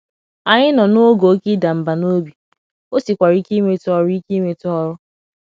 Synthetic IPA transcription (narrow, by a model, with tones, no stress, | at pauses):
a˨ɲɪ˦nɔ˨no˦o˦ɡo˨o˦ki˦da˨m̩˨ba˨no˦bi˨ | o˦si˨kʷa˨ɾi˦ki˦me˦tʊ˦ɔ˦ɾʊ˦i˦ki˦me˦tʊ˦ɔ˦ɾʊ˦